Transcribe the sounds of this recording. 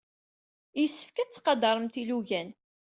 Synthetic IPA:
jəsːə̥fkæt͡sːqɑd̪ɑɾˤəmt̪iluʝæn

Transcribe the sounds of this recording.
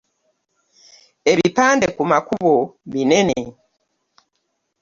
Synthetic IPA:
eβipaːndekumakuβoβinene

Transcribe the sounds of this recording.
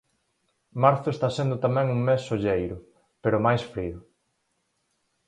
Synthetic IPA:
maɾθʊest̪asend̪ʊt̪amɛ̃ŋuŋmesːoʎejɾʊ | peɾʊmajsfɾiʊ

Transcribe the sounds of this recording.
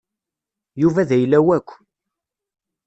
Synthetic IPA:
juvæðæjlːæwækʷː

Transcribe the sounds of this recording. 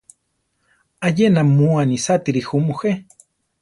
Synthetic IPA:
ajenamuanisat̪iɾixumuxe

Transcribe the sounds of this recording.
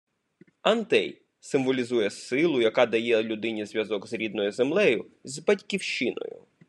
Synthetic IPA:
ɐnt̪ɛ̰j | sɪmʋɔlʲizujɛsɪlˠʊjɐkɑd̪ɐjɛlʲʊd̪ɪnʲizʲʋʲjɐzɔɡzɾʲid̪nɔjʊzemlˠɛjʊ | zbɐtʲkʲiwʃt͡ʃɪnɔ̰jʊ̰

